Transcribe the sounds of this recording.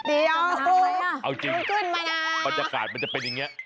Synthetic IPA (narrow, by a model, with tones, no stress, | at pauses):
di˧˩a˧˩ | ʔa˧wt͡ɕi˧˦˧kɯ˥˩nma˧a˧ba˨˧t̪̚ja˧˩ka̰ː˨˩t̪̚ma˦˥nt͡ɕa˨˩pe˧nja˨˩ŋːi˦˥ɐʔ